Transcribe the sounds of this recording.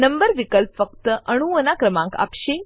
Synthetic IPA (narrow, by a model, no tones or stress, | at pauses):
nəmbəɾʋikəlpfək̚t̪əʔəɽ̃uʋənakɾəmãŋka̰pɕe